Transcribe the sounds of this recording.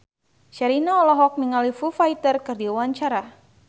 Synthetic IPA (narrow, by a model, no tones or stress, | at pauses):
ʃaɾinaɔlɔɦɔk̚miŋalifufait̪ərkɨrdiuwaɲt͡ʃaɾa